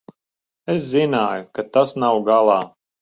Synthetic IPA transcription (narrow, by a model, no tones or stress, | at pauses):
eszinaːjukat̪asnawɡalˠɑː